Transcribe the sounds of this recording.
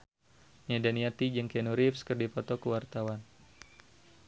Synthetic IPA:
nadaniat̪id͡ʒəŋkɛnuɾifskɨrdipɔt̪ɔkəwart̪awan

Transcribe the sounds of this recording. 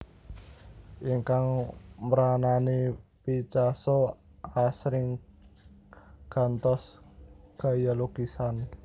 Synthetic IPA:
ʔiŋkaŋməɾananipit͡ʃasɔ | asɾɪŋ | ɡ̥a̤nt̪ɔsɡ̥a̤jaloɡ̥isan

